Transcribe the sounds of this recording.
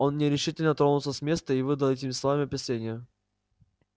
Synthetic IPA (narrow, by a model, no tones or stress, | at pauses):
o̞nːʲɪɾʲɪʂɨtʲɪlʲnət̪ɾo̞nʊt̪ˠsəsʲmʲe̞st̪əivɨd̪əlˠetʲɪmʲɪsˠɐvamʲɪɐpʲɪsʲanʲɪjə